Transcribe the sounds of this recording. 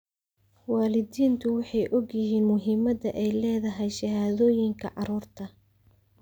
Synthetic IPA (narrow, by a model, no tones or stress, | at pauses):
wɑːlɪdiːnt̪ʰʊwɑħɑjʔɔɡjɪɦiːnmʊɦɪmɐd̪ɐ̰ʔɛjlɛːðɐɦɛjʃɐɦaːðɔːjɪŋkʰɐ̰ʕɑɾuːrt̪ʰɐ